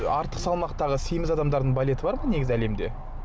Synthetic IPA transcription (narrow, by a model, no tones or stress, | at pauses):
ɑɾt̪ə̥qsɑlˠmɑqt̪ɑʁəsijmɪzɑd̪ɑmd̪ɑɾd̪əɴbalʲe̞t̪əbɑɾmɑne̞ɡʲɪzɪæle̞md̪e̞̰